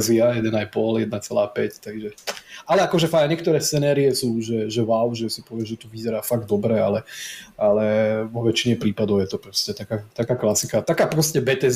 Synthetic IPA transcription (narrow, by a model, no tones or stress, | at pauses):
ziajɛd̪ɛnajpɔljɛd̪nat͡sɛlaːpɛct̪aɡʒɛalɛakɔʒɛfaɲɪɛk̚t̪ɔɾɛːst͡sɛnɛːɾiɛsuːʒɛʒɛʋaʊʒɛsipɔʋɪɛʒɛt̪uʋizɛɾaːfaɡ̚d̪ɔbɾɛalɛalɛʋɔʋɛt͡ʃiɲɛpɾiːpad̪ɔʊjɛt̪ɔpɾɔscɛt̪akaːt̪akaːklasikat̪akaːpɾɔscɛbɛt̪ɛ